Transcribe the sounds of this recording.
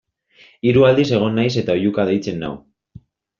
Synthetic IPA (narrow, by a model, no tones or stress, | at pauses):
iɾuald̪ise̞ɣ̞o̞nːajse̞t̪aojukaðe̞jt͡se̞nːa̰w